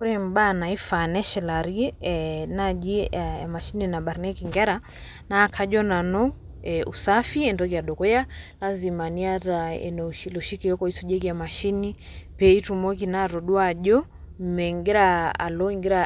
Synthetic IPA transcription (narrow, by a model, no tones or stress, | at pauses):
kuɾɛm̩banaifanɛʃɛlaɾiɛnad͡ʒiaa̰maʃininaɓaɾnɛkiŋɡɛɾa | nakʰaʄɔnanɔ | ɛusafiɛndɔkiaɗɔkɔjalazimaniataɛ̰nɛuʃilɔʃikiɔkɔisuʄɛk̬iamaʃini | pɛitumɔk̬inaɾɔɗwaʄɔ | m̩mɛŋɡɛɾaa̰lɔiŋɡɛɾa